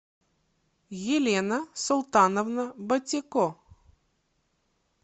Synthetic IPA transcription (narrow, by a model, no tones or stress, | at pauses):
jɪlʲenəsʊlˠt̪anəvnɐbɐtʲɪkɔ